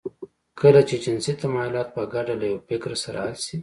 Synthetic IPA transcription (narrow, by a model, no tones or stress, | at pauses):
kəlat͡ʃed͡ʒɪnsit̪amɑjalɑt̪̚pəɡaɖalajawfɪkɾasaɾa̰halsi